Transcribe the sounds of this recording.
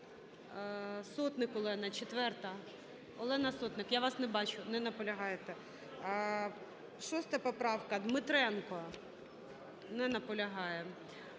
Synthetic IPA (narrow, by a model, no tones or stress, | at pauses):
sɔt̪nɪkɔlˠɛnɐt͡ʃet̪ʋɛrt̪ɐ | ɔlˠɛnɐsɔt̪nɪkjaʋɑsnɛbɑt͡ʃʊnɛnɐpɔlʲɐɦɑjet̪ɛ | ʃɔst̪ɛpɔpɾɑwkɐd̪mɪt̪ɾɛnkɔ | nɛnɐpɔlʲɐɦɑjɛ